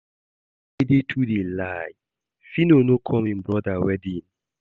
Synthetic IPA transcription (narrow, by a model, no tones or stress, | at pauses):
edetʰudelaj | finonokʰɔ̃mĩnbɾɔdawɛdĩn